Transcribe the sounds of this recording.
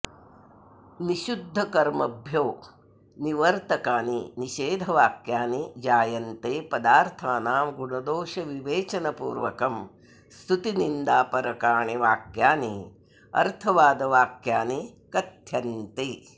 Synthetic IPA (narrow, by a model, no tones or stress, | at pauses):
niʃud̪ʱːɐkɐɾmɐbʱjoː | niʋɐɾt̪ɐkaːniniʃeːd̪ʱɐʋaːkjaːnid͡ʒaːjɐnt̪eːpɐd̪aːɾt̪ʰaːnaːmɡuɳɐd̪oːʃɐʋiʋeːt͡ʃɐnɐpṵːɾʋɐ̰kɐm | st̪ʰut̪inind̪aːpɐɾɐkaːɳiʋaːkjaːni | ɐ̰ɾt̪ʰɐʋaːd̪ɐʋaːkjaːnikɐt̪jɐnt̪eː